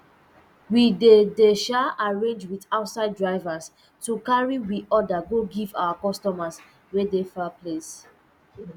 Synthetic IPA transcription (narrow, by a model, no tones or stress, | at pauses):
widedeʃaaɹẽnd͡ʒwiθaʊtsaɪddɹaɪvas | tukaɹiwiɔdaɡoɡiva̰wakɔstɔmas | wɛdefaples